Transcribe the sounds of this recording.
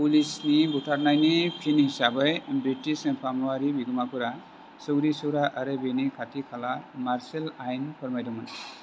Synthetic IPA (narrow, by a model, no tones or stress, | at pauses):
pulisnibutʰaɾnajnipʰinhisabejbɾitispʰamuaɾibiɡɔmakɯɾa | sɔwɾisɔwɾaʔaɾɯbenikʰatʰikʰalamaɾselajnpʰɔɾmajdɔmɔn